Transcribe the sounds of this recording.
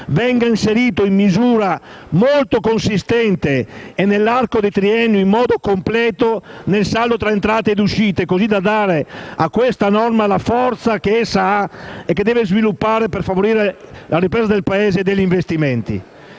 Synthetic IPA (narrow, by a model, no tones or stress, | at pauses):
vɛŋɡainseɾiːt̪oimːizuːɾamolt̪okonsist̪ɛnt̪eːnelːarkod̪et̪ɾiɛnːuimːɔːd̪okomplɛːt̪onelsalːot̪ɾaent̪ɾaːt̪eːd̪uʃiːt̪ekozid̪ad̪aːɾeakːwest̪anɔrmalafɔɾt̪sakeɛsaaekːed̪ɛːvezvilupːaːɾepeɾfavoɾiːɾelaripɾɛːzad̪elpaɛːzeːd̪eʎːiɱvest̪imɛnt̪ḭ